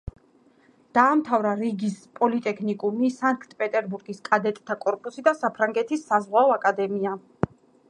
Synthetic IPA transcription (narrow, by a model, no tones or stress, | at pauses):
d̪̥aːmt̪ʰavɾaɾiɡispʼɔlit̪ʼɛkʰnikʼumisaŋkt̪ʼpʼɛt̪ʼɛɾbuɾɡiskʼad̪ɛt̪ʼt̪ʰakʼɔɾpʼusid̪asapʰɾaŋɡɛt̪ʰisːazʁwaɔakʼad̪ɛmia